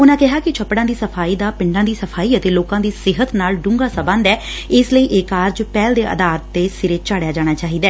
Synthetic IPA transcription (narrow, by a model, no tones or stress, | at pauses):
ʊnãːkɪɦaːkɪt͡ʃʰəpːɽãːd̪iːsəpʰaːiːd̪aːpɪ̃ɳɖãːd̪iːsəpʰaːiːət̪eːloːkãːd̪iːsɪɦət̪naːlɖʊ̃ːŋɡaːsəbə̃nd̪ɛː | ɪsləiːʔɪkaːɾd͡ʒpɛːld̪eːʔə̰d̪aːɾət̪ːeːsɪɾeːt͡ʃaːɽejaːd͡ʒaːɽ̃aːt͡ʃaːɦiːd̪aɛː